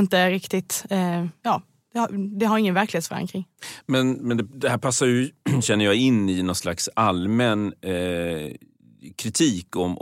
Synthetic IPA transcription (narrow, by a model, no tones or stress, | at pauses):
ɪnt̪əɾɪkt̪ɪt̪jɑː | d̪̥ɛad̪ɛɦaɾɪŋːənvæɾklɪheːt̪fɾa̰ŋkʰɾɪŋːmɛnmɛnd̪ɛd̪ɛhæːɾpʰasːajɵɕɛnːəɾjɑɪnːɪnɔnslaksalmɛn | kʰɾɪt̪ʰiːkɔm